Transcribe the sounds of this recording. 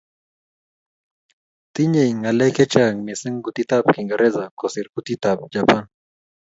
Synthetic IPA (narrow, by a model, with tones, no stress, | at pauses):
t̪i˦ɲe˨iŋa˨lɛ˦kɛ˦t͡ʃa˦ŋmɪ˨sɪ˦ŋɡu˨t̪i˦t̪a˦pki˨ŋɡa˨ɾɛ˦za˨kɔ˨sɪ˨ɾɡu˦t̪i˦t̪a˨p̚d͡ʒa˨pa˦n